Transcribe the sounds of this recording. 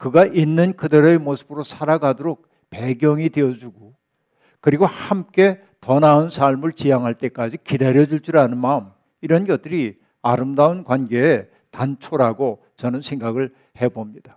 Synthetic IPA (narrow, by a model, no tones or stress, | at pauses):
kɯɡaʔinːɯnkɯdeɾoemosʰɯbɯɾosʰaɾaɡadoɾok̚ | pe̞ɡjʌŋidejʌd͡ʑuɡo | kɯɾiɡohamk͈e̞ | tʌnaunsʰaɭmɯɭt͡ɕijaŋɦaɭt͈e̞k͈ad͡ʑikidaɾjʌd͡ʑuɭt͡ɕ͈uɾanɯnmam | iɾʌnɡjʌt̚t͈ɯɾi | aɾɯmdaunkwanɡe̞ː | tant͡ɕʰoɾaɡo | t͡ɕʌnɯnsʰe̞ŋɡaɡɯɭ | he̞bomɲid̥a